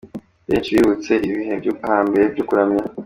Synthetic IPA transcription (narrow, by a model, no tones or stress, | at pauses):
βḛːnt͡ʃiβiːβut͡se̞ʔiβiɦehaːmbeɾebɟukuɾamɲa